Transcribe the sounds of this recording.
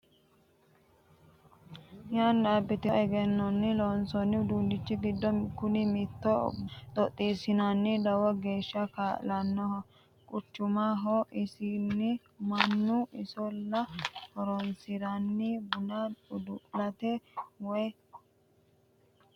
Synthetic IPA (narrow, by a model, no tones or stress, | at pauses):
jand̪aːbːɪt̪ɔɛɡɛnːɔnːɪloːnsɔnːɪʊd̪uːnd̪ɪt͡ʃːɪɡɪd̪ːɔkʊnɪmit̪ːɔt̪ʼɔt̪ʼːiːsɪnɐnːɪd̪ɐwɐɡe̞ːʃːɐkaːlɐnːɔhɔ | kʼʊt͡ʃːʊmaɦɔʔɪsinːɪ | mɐnːuʔɪsɔlːɐhɔɾɔnsɪɾɐnːibʊnaʊd̪ʊʔlɐt̪ɛwɔj